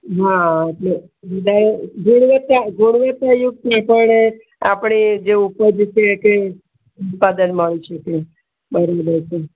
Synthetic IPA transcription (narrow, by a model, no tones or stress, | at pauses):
ɦãeʈle | ʋəd̪ʱaɾeɡʱuɳ̃ʋət̪aɡʱuɳ̃ʋət̪ajuɡ̚t̪apəɳe | a̰pɳid͡ʒeupəd͡ʒt͡ʃeke | ut̪̚pad̪ənməɭiʃʰəke | bəɾʋĩd͡ʒəjt͡ʃʰe